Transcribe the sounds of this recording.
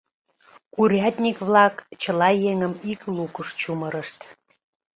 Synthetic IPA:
kuɾʲɑt̪ʲnʲikβlɑkt͡ɕəlɑjeŋəmiklukəʃt͡ɕuməɾəʃt̪

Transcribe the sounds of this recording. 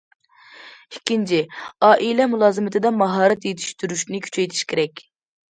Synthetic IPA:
ikʲːint͡ʃʰɪɑːʔilɛmulˠɑːzɨmɪt̪ʰɨd̪ɛmɑɦɑːɾɛt̪jet̪ʰy̥ʃt̪yɾyʃnɪkʲʰy̥t͡ʃʰɛjt̪ʰi̥ʃkʲʰeɾɛkʲ

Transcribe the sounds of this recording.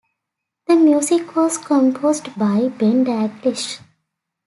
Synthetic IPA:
d̪̥əmjuːzɪkʋɔːzkʰɔ̃mpʰoːzɖbaɪbẽɳɖæɡlɪʃ

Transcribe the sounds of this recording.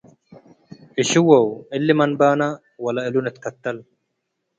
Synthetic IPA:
ʔɪʃɪwɐwɪlːɪmɐnbaːnɐ | wɐlɐɪlʊnɛt̪kɐt̪ːɐl

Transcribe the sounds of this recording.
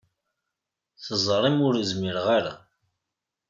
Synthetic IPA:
θəzˤɾˤimʊɾəzmiɾʁaɾa̰

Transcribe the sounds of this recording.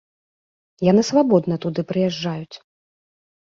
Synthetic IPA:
janɨsvabɔd̪nɐt̪ud̪ɨpɾɨjɛʐːajut͡sʲ

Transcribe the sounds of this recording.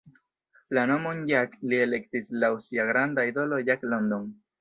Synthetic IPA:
lano̞monjaklie̞lektislausiaɡɾandaid̪o̞lo̞jaklo̞nd̪on

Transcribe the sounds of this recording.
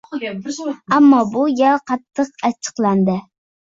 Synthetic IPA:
amːɒbʊjʲaqʰɑt̪ʰːɨqat͡ʃʰɨ̥qlˠand̪ɪ

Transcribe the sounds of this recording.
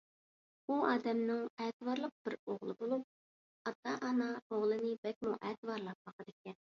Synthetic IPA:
uɑːd̪ɛmnɨŋɛt̪ɨwɑɾlˠəq̚b̥ɪɾoʁlˠɨbolˠup̚ | ɑt̪ːɑʔːnɑoʁlˠɨnɨbɛk̚ʲmuʔɛːt̪ɨwɑɾlˠɑp̚bɑqəd̪ɪkʲɛn

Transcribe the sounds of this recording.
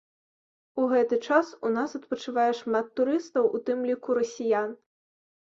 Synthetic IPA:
uɣɛt̪ɨt͡ʂasunasɐt̪̚pɐt͡ʂɨvajɛʂmat̪ːuɾɨst̪ɐwʔut̪ɨmlʲikuɾɐsʲijan

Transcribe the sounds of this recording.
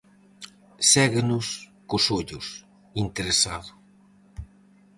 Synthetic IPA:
sɛɣenʊskʊsoʎʊs | int̪eɾesaðʊ

